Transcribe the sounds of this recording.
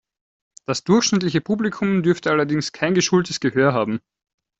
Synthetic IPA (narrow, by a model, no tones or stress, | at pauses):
d̥asd̥ʊɐçʃnɪtlɪçəpʰuːblikʰʊmdʏɐftəʔalɐdɪŋskʰaɪnɡəʃultəsɡ̥əhøːɐɦaːbm̩